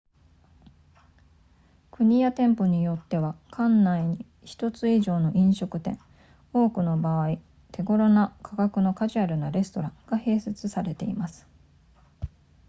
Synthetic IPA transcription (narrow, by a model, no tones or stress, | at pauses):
kɯ̟ɲ̟ijat̪ẽ̞mpo̞ɲ̟ijo̞t̪ːe̞βakʰãnːaiɲ̟i | çi̥t̪o̞t͡sɨiʑo̞ːno̞ʔĩɰ̃ɕo̞kɯ̟t̪ẽ̞ɴ̃ | o̞ːkɯ̟no̞baβai | t̪ʰe̞ɡo̞ɾo̞nakʰaɡakɯ̟no̞kaʑiaɾɯ̟naɾe̞sɨ̥t̪o̞ɾãŋɡ̥ahe̞ːset͡sɨsaɾe̞t̪e̞imasɨ̥